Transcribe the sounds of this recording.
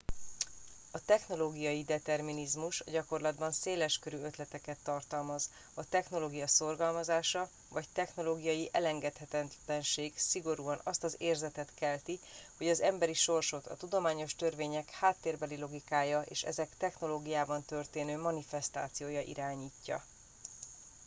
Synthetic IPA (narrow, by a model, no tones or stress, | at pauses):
ɒt̪ɛxno̞loːɡijɒjid̪ɛt̪ɛrminizmuʃɒɟɒko̞rlɒd̪bɒnseːlɛʃkøɾyø̞t̪lɛt̪ɛkɛt̪ːɒrt̪ɒlmɒz | ɒt̪ɛxno̞loːɡijɒso̞rɡɒlmɒzaːʃɒ | vɒct̪ɛxno̞loːɡijɒjiʔɛlɛŋɡɛt̪hɛt̪ɛlɛnʃeːɡsiɡo̞ɾuːɒnɒst̪ɒzeːrzɛt̪ɛt̪kɛlt̪iho̞ɟɒzɛmbɛɾiʃo̞rʃo̞t̪ɒ̰t̪ud̪o̞maːɲo̞ʃt̪ø̞rveːɲɛkhaːt̪ːeːrbɛlilo̞ɡikaːjɒḛːʃɛ̰zɛkt̪ɛxno̞loːɡijaːbɒnt̪ø̞rt̪eːnøːmɒnifɛst̪a̰ːt̪sijoːjɒʔḭɾaːɲiːcːɒ̰